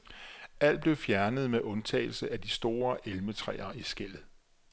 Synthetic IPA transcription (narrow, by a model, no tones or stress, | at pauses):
æl̰db̥le̝ʊfjæɐnəð̞ˠmeʔɔ̽nt͡sʰɛ̰ɪl̩səʔæd̥isd̥o̝ːɐʔelmət͡sʰʁɛ̰ːɐisɡ̥el̰ð̩ˠ